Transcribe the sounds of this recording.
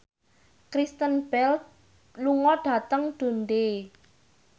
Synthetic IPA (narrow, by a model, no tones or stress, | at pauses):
kɾist̪ənb̥ɛl | luŋɔɖ̥ä̤t̪əŋɖ̪̥o̤nd̪e